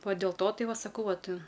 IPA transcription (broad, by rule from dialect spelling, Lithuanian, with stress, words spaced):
ˈʋɐ dʲeːlˠ ˈtoː ˈtɐɪ ˈʋɐ sɐˈkɐʊ ˈʋɐt